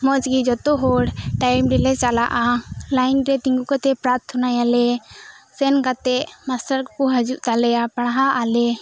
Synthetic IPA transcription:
mɔd͡ʒɡid͡ʒɔt̪ɔɦɔɽʈajmɾɛlɛt͡ʃala̰ʔalajnɾɛt̪iŋɡukat̪ɛpɾap̚t̪ʰɔnajalɛsɛnkat̪ɛʔmasaɾkkɔɦad͡ʒuʔt̪alɛjapaɽ̃ɦaʔalɛ

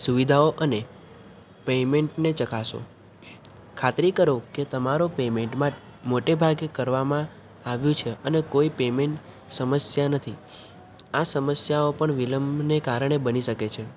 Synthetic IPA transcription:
suʋid̪ʱaoʔəne | pemeɳʈnet͡ʃəkaʃo̰ | kʰat̪ɾikəɾoket̪əmaɾopemeɳʈmã | moʈebʱaɡekəɾʋamã | aʋjũt͡ʃʰeənekoipemeɳʈ | səməsjanət̪ʰi | asəməsjaopəɳʋiləmbʱnekaɾəɳebəniʃəket͡ʃʰe

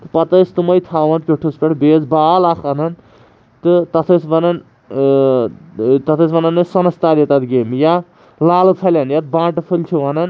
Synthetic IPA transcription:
t̪ɨpɐt̪ɐst̪umɐjt̪ʰaːʋɐnpʲeʈʰuspʲeʈbed͡zbaːlakʰɐnɐn | t̪ɨt̪ɐt̪ʰɐsbɐnɐn | t̪ɐt̪ʰɐsbɐnɐnːɨsɐnɐst̪aːɾet̪ɐt̪ɡemja | laːlut̪ʰɐlʲanjɐt̪̚bãːʈɐpʰɨlt͡ʃʰuʋɐnɐn

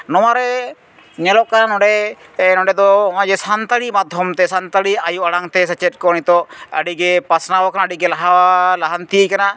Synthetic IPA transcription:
nɔwaɾɛ | ɲɛlɔʔkannɔɖɛnɔɖɛd̪ɔɔw̃ad͡ʒɛsant̪aɽimad̪ʱjɔmt̪ɛsant̪aɽiajuʔaɽaŋt̪ɛs̬at͡ʃɛt̚kɔnit̪ɔə̰ɖiɡɛpasnawakanaaɖiɡɛlaɦawalaɦant̪ijəjkana

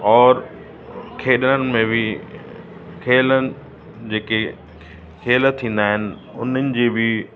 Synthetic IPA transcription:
ɔːɾ | kʰeːɗənənɪ̆mẽbʱɪ | kʰeːlənɪ̆ | d͡ʑeːke | kʰeːlət̪ʰːĩːnd̪aːɦɪnɪ̆ | ʊnənɪ̆d͡ʑeːbɪ

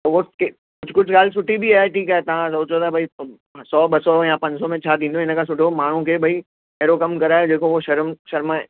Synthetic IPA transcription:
t̪ɐʋoke | kʊd͡ʑʱkʊd͡ʑʱɡaːlsʊʈibʱiaːeʈʰiːkaːɦet̪ɐʋ̤ãsoːt͡ʃʰot̪abʱɐi | sɔːɓɐsɔjãpɐ̃ɲd͡ʑsɔmẽt͡ɕʰad̪ĩːnd̪õɪ̃nəkʰãsʊʈʰomaːɳ̤ũkʰebʱɐi | eːɾokɐmkɐɾaːjõd͡ʑeːkoʋoʃɐɾmʃɐɾmae

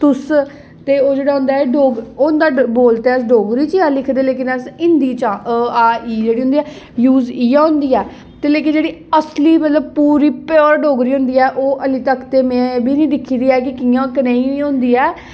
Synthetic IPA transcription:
t̪ʊs | t̪eːoːd͡ʒeːɽaːɦʊ̃nd̪aːɛɖoːɡoːnd̪aːboːlt̪eːəsɖoːɡɾiːt͡ʃiãːlɪkʰd̪eːleːk̬ɪnəsɪnd̪iːt͡ʃãːʔəaːiːd͡ʒeːɽiɦʊ̃nd̪iːɛː | juːziːãːʊ̃nd̪iːɛː | t̪eːleːk̬ɪd͡ʒeːɽiːəsliːmət̪ləb̚puːɾiːpjɔːɾɖoːɡɾiːɦʊ̃nd̪iːɛːʔoːʔəlit̪əkʰt̪eːmɛ̃ːbʱiːnĩːd̪ɪkʰːiːd̪iːɛːk̬ɪkiːãːkənẽːĩĩːõːnd̪iːɛː

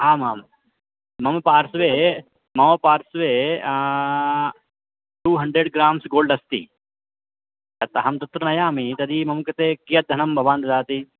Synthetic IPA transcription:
aːmaːmː | ɐmpaːɾsʋeː | mɐmpaːɾsʋeː | ʈuːɦɐɳɖɾeɖɡɾaːmsɡoːlɖɐst̪ḭ | ɐt̪ɐɦɐmt̪ɐt̪ɾɐnɐjaːmit̪ɐd̪imɐmkɐt̪eːkijɐt̪̚d̪ʱɐnɐmbʱɐʋaːnd̪ɐd̪aːt̪i

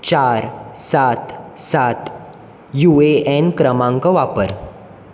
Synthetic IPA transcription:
t͡ɕaɾsat̪sat̪ | jueɛnkɾəmãŋkɔʋapəɾ

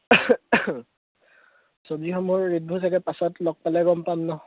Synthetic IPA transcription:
sɔbziɦɔmʊɹːit̚bʱusʰaɡɛpasɔtlɔk̚palɛɡɔmpamnɔ

